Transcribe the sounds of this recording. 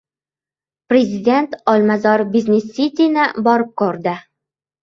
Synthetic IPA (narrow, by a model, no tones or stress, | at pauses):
pɾʲezʲid̪ʲe̞nt̪ɒlmazɒɾbizʲnʲesːit̪ʲinɪbɒɾɪp̚qɵɾd̪ɪ